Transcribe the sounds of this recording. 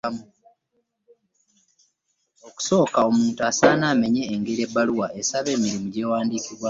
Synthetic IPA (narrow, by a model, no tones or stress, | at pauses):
mu | o̞ku̥so̞ːkao̞muːntuasaːnaːme̞ɲe̞ːŋɡeɾie̞bːaluwaʔe̞saβe̞ːmiɾimuɟe̞ːwaːndiːkiβwa